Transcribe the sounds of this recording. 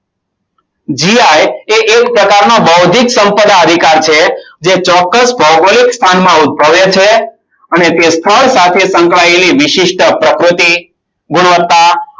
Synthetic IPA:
d͡ʒiajeʔekpɾəkaɾnobəwd̪ʱiksəmpəd̪aəd̪ʱikaɾt͡ʃʰed͡ʒet͡ʃɔkːəsbʱəwbolikst̪ʰanmãut̪̚bəʋet͡ʃʰe | ənet̪est̪ʰəɭsat̪ʰesə̃ŋkɭaeliʋɪʃiʃʈəpɾəkɾut̪i | ɡʊɽ̃ʋət̪ːa

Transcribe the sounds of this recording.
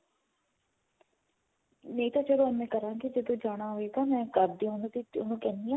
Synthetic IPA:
neĩːt̪ad͡ʒəd̪õːɛ̃ːmɛ̃ːkəɾãːɡid͡ʒəd̪õːd͡ʒaːɽ̃aːɦoːeːɡaːmɛ̃ːkəɾb̚d̪iːõnt̪iʊnũːkɛ̃ːnd̪iãː

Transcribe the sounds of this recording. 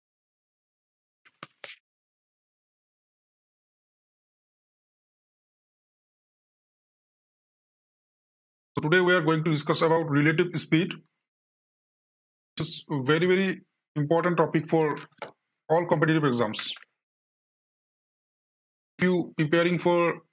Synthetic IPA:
soʈuɖewiaɾɡoːĩŋʈuɖiskʌsɛbaʊʈɾileʈ̬ibspiɖ | wit͡ʃizʋeɾiveɾi | ĩmpɔːɾʈə̃ɳʈːɔpikfʰɔɾ | ɔːlkɔ̃mpeʈiʈibeɡzã̰ms | ifʰjupɾipeaɾĩŋfʰɔɾ

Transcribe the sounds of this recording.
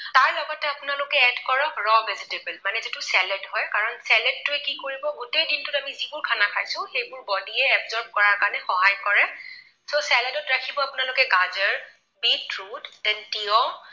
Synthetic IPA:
taɹlɔɡɔtɛapʊnalʊkɛɛdkɔɹɔɹɔbɛzitebɛlmanɛzitusɛlɛdɦɔjkaɹɔnsɛlɛd̚tʊɛkikoɹibɔɡutejdintʊtamizibʊɹkʰanakʰajsʊ̃xejbʊɹbɔdiɛɛbzɔɹb̚kɔɹaɹkaɹnɛxɔɦajkɔɹɛ | sosɛlɛdɔtɹakʰibɔapʊnalʊkɛɡazəɹ | bitɹudɛntiɔm

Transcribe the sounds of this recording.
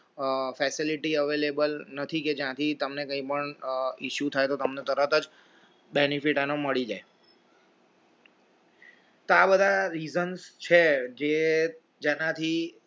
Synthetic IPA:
fɛsiliʈiəʋelebəlnət̪ʰiked͡ʒjãt̪ʰit̪əmnekəĩpəɳiʃjut̪ʰajt̪ot̪əmnet̪əɾət̪əd͡ʒ | benifiʈanoməɭid͡ʒae | t̪oabəd̪ʱaɾizənst͡ʃʰed͡ʒe | d͡ʒenat̪ʰi

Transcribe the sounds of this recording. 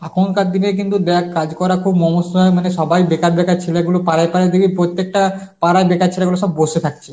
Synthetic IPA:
akʰonkad̪inek̬int̪ud̪ɛakkad͡ʑkɔɾakʰubmɔmosaemaneʃɔbajbekaɾbɛkaɾt͡ɕʰeleɡulopaɾajpaɾad̪eɡipɾot̪ːek̚ʈapaɾajbekaɾt͡ɕʰeleɡuloʃɔbboʃet̪ʰak̚t͡ɕʰe̥

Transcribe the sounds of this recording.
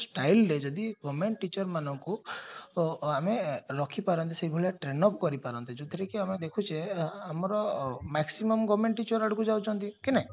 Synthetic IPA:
sʈajlɾed͡ʒɔd̪iɡɔmeɳʈʈit͡ʃɔɾmanɔŋku | ameɾɔkʰipaɾɔnt̪isebʱɔlaʈɾenɔpkɔɾipaɾɔnt̪id͡ʒɔd̪ʱʰiɾekiamed̪ekʰut͡ʃʰeamɔɾɔmaksimɔmɡɔmeɳʈːit͡ʃɔɾaɽukud͡ʒawt͡ʃʰɔnt̪ikinaĩ

